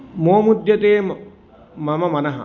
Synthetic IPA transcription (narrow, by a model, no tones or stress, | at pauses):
moːmud̪jɐt̪eːm | mɐmɐmɐnɐɦɐ̰